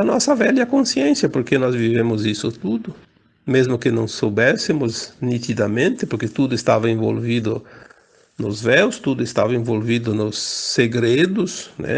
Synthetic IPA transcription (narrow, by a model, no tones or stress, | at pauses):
ɐnɔsɐvɛljɐkõsiẽnsjɐpoɾkenɔzvivẽmʊzisʊt̪ud̪ʊ | mezmʊkɪnɐ̃w̃sowbɛsɪmʊznit̪id̪ɐmẽnt̪ɪpoɾket̪ud̪ʊɪst̪avɐẽvo̰lvid̪ʊ | nʊzvɛwst̪ud̪ʊɪst̪avɐẽvolvid̪ʊnʊsːeɡɾed̪ʊsnɛ̰